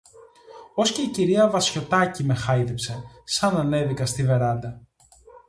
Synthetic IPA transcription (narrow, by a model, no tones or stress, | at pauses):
o̞sce̞iciɾiɐvɐsço̞t̪ɐcime̞xɐjðepsesɐnɐne̞ðikɐst̪ive̞ɾɐnd̪ɐ